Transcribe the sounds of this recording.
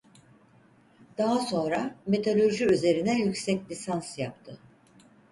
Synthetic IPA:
d̪̥aɦaso̞nɾame̞t̪ʰolʲo̞ʒyyze̞ɾinɛjycsɛclʲisansjap̚t̪ʰɯ

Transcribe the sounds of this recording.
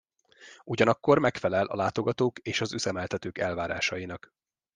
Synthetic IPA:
uɟɒnɒkːo̞rmɛkfɛlɛlʔɒ̰laːt̪o̞ɡɒt̪oːkeːʃɒzyzɛmɛlt̪ɛt̪øːkɛlvaːɾa̰ːʃɒjinɒk

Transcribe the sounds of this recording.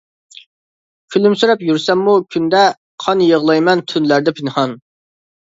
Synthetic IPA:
filymsyɾɛpjyɾsɛmːukʲʰynd̪ɛ | qʰɑnjəʁlˠɑjmɛnt̪ʰynlæɾd̪ɛpʰɪnhɑn

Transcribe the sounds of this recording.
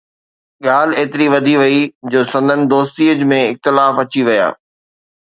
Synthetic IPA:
ɠaːl̤eːt̪ɪɾiʋɐd̪ʱiʋɐid͡ʑoːsɐ̃nd̪ənɪ̆d̪oːst̪iːəd͡ʑmẽɪxt̪ɪlaːfɐt͡ɕiʋɐja̰ː

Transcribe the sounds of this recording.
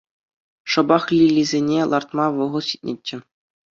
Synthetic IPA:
ʂɤ̆bɑχlʲilʲːizʲenʲelˠʔɑrt̪mɑʋɤ̆ʁɤ̆ɕi̥t̪̚ʲnʲet͡ɕʲːɘ̆

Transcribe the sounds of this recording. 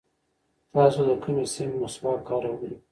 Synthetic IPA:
t̪ɑsod̪əkumesɪmmʊsbɑkɑɾawɡi

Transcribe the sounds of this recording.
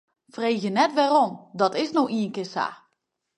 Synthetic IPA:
frejxjənɛtʋɛrɔmdɔtɪsnɔxiənkɪsa̰ː

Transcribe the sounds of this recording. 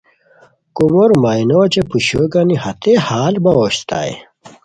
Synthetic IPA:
kumoɾmaːinot͡ɕepuɕoɡanihɐt̪ehaːlbɐoːɕt̪ʰa̰ːj̰

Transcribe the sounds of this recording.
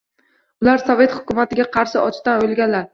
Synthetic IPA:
ʊlaɾsɒve̞t̪hʊ̥kʲʊmat̪ʰɪɡʲaqʰɑɾʃɪɒt͡ʃt̪anojlɡʲanlaɾ

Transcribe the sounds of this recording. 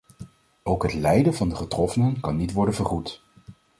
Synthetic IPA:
owkɦətlɛjdəvɑndəχətrɔfənənkɑnːitʋɔɹdənvəɹχut

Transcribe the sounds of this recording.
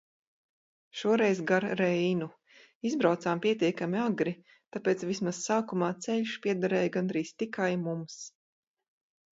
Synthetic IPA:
ʃuɔɾɛjzɡaɾɾɛjnu | izbɾawt̪saːmpʲiɛt̪iɛkamiaɡɾi | t̪apɛːt̪svismassaːkumaːt̪sɛʎʲʃpʲiɛd̪aɾɛːjɡanɾiːst̪ikajmums

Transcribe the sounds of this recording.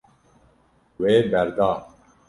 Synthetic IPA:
weːbɛɾd̪ɑː

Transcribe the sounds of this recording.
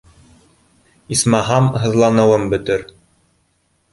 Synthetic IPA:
ismɑɦɑmɦɤ̆ðlˠɑnɤ̆wɤmbɵ̆t̪ɘɾ

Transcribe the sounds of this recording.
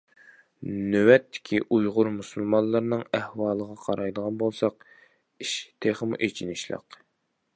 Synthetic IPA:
nøwɛt̪ʰːɪ̥kʲʰiʔujʁʊɾmusulˠmɑnllˠːəɾnɨŋæhwɑːlˠəʁɑqʰɑɾɑjd̪əʁɑnbolˠsɑq̚ | iʃt̪ʰeχəmuʔet͡ʃʰinɪʃlˠə̰q

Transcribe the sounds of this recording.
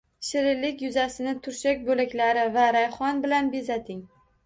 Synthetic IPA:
ʃɪɾɪlːɪkʲjʊzasɪnɪt̪ʰʊɾʃakʲbolakʲlaɾɪvaɾajχɒnbɪlanbezat̪ʰɪŋ

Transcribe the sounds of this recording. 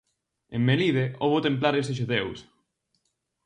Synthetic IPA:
emːeliðeʔoβʊt̪emp̬laɾeseʃ̬uðews

